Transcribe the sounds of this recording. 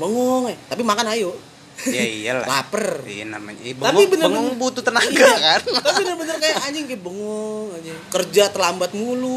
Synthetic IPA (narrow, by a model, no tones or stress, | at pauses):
bəŋɔŋɛt̪apimakanajo | jaijala̰lapərḭa̰na̰ma̰ɲbəapibənəəŋɔŋbut̪ut̪ənaɡakant̪apiibənərbənərkajaʔad͡ʒɪŋkɛbəŋɔŋad͡ʒɛkərd͡ʒat̪əlambat̪̚mulu